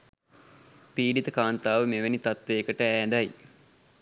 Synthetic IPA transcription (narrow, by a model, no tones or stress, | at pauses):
piːɖit̪əkaːnt̪aːʋəmeʋenit̪at̪ʋeːkəʈəæːd̪aj